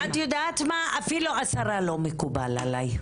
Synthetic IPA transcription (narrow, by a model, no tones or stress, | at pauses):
atjod̪at̪maafiluasaʁalomekubala̰laj